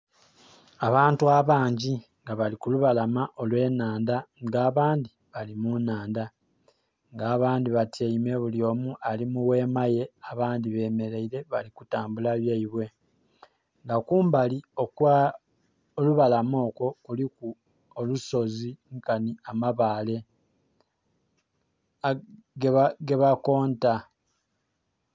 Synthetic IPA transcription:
aβaːntuaβaːɲɟi | ŋɡaβalikuluβalamaʔo̞lwe̞ːnaːndaɡaːβaːndi | βalimunaːnda | ŋɡaːβaːndiβatieime̞βuljo̞ːmualimuwe̞ːmaje̞aβaːndiβe̞ːme̞ɾe̞iɾe̞βalikutaːmbulaβjaiβwe̞ | ŋɡakuːmbalio̞kwa | oluβalamo̞ːko̞kuliku | oluso̞ziŋkaniamaβaːle̞ | ɡɡe̞βako̞ːnta

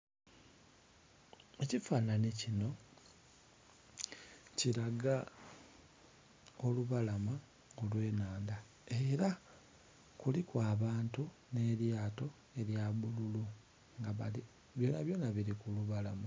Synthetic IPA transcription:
e̞cifaːnanicino̞ | ciɾaɡa | o̞luβalama | olwe̞ːnaːnda | e̞ɾa | kulikwaːβaːntune̞ɾjaːto̞ | e̞ɾjaβululu | ŋɡaβali | βjoːna̰βjo̞ːnaβiɾikuluβalama

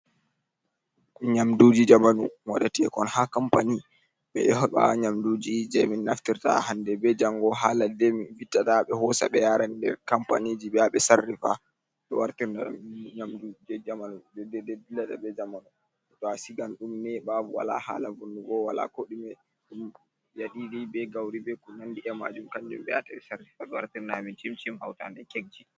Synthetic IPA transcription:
ɲamdud͡ʒid͡ʒamanuwaɗatiɛkɔnhakampani | ɓɛ̰ɛhɔɓa̰ɲamdud͡ʒid͡ʒɛminːaftiɾta̰handɛbɛd͡ʒaŋɡɔɦaːladɛminfitːataɓɛhɔsa̰ɓɛjaɾandɛ̰ɾkampa̰nid͡ʒiɓɛaɓɛsarːifa̰ | ɗɔwaɾtiɾndaɗ̰ɲamdud͡ʒɛd͡ʒamanudɛdɛdɛdilata̰bɛd͡ʒamanɔ | tɔasiɡanɗumnɛɓabuwa̰la̰ha̰ːlavonːuɡɔwala̰koɗimɛ | ɗum | jaɗiɾibɛɡawɾibɛkunandiʔɛma̰d͡ʒumkaɲd͡ʒṵmɓɛja̰taɓɛsarːifaɓɛwaɾtiɾnamint͡ʃimt͡ʃimhawta̰ndɛkeɡ̚d͡ʒi

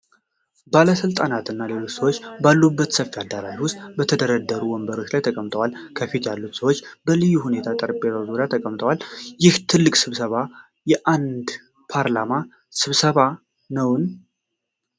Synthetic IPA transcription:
baləsɨlt̪ʼanat̪ɨnːale̞lo̞t͡ʃsəwot͡ʃːbalːubːət̪səfːiad̪aɾajwʊst̪ʼbət̪ʰəd̪əɾəd̪əɾuwɔmbəɾo̞t͡ʃːlajt̪ʰəkʼəmt̪ʼəwalkʰəfit̪jalːut̪səwo̞t͡ʃːbəlɨjːuhune̞t̪ʰat̪ʼəɾpʼeazoɾat̪ʰəkʼəmt̪ʼəwaljɪht̪ʰɨlːɨkʼsɨβsəβa | jɛʔand̪ | pʰaɾlama | sɨβsəβa | nəwn

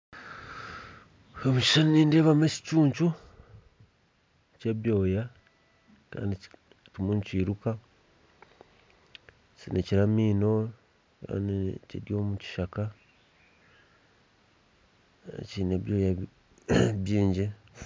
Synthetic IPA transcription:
omuci̥ʃaniniːndeːβamesi̥cuːɲt͡ʃu | ce̞βjo̞ːja | ka̰ːndi | tumunciːɾuka | t͡ʃineciɾamiːno̞ | ka̰ːndiciɾjo̞ːmuci̥ʃaka | cineβjo̞ːja | βjiːɲɟe

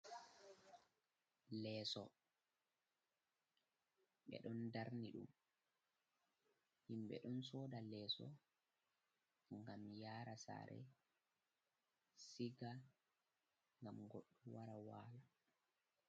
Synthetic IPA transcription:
lɛːsɔ | ɓɛ̰ɗɔndaɾniɗum | himɓɛ̰ɗɔnsɔːdalɛːsɔ̰ | ŋɡamjaːɾasa̰ɾɛ̰ | siɡa | ŋɡamɡoɗːuwaɾawaːla

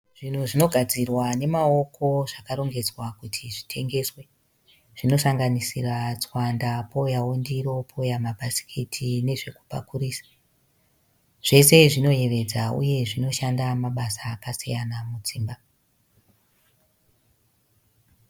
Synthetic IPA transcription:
ʐ̥in̤uʐino̞ɡʱad͡zirwane̞mao̞ko̞ʐakaɾo̞ŋɡe̞d͡zwakutʰiʐitʰe̞ŋɡe̞swe̞ | ʐ̥ino̞saŋɡanisirat͡swandapoujaondiɾo̞pʰoujamabʱasi̥kʰitʰine̞ʐe̞ku̥pa̰kuriːsḁ | ʐ̥e̞se̞ʐino̞je̞ʋe̞d͡zaṵje̞ʐino̞ʃandamaɓasaːkasijanamud͡ziːmba

